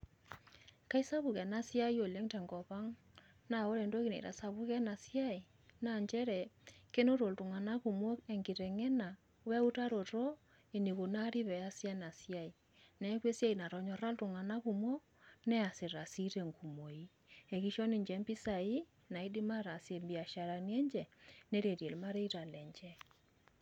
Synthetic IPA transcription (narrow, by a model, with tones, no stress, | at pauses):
ka˦i˦sa˦βu˨kɛ˨na˦si˦a˦i˦o˨le˦ŋtɛ˨ŋɡɔ˨pa˦ŋ | na˨o˦ɾɛ˨ndo˦ki˦nḛ˨ɾa̰˨sa˨βu˦kɛ˦na˨si˦a˦i˨ | na˨ɲd͡ʒɛ˦ɾɛ˨ke˦no˦ɾo˨ltʊ˨ŋa˨na˦ku˨mo˦e˨ŋɡɪ˨ɾɛ˨ŋɛ˦na˨ | wɛ˦u˦ta˦ɾo˨to˦ | e˨ni˨βo˨na˦ɾi˦βɛ˨a˦sja˦na˨si˦a˦˨i˨ | nɛ˨˦kwe˦sja˦i˨na˨ɾɔ˨ɲɔ˨ɾa˦ltu˨ŋa˨na˦ɣu˨mwo˦ | nɛ˦a˨se˨ɾa˨si˦ɾe˨ŋɡu˨mo˨i˦ | e˨ki˦ʃɔ˦ni˨ɲd͡ʒɛ˨˦mbi˦sa˨i˦ | na˨i˦di˦ma˦ɾa˨sje˨mbi˨a˨ʃa˨ɾa˨ni˦ɛ˦ɲd͡ʒɛ˨ne˦ɾe˨ɾje˨lma˦ɾe˦i˦ɾa˨lɛ˨ɲd͡ʒɛ˦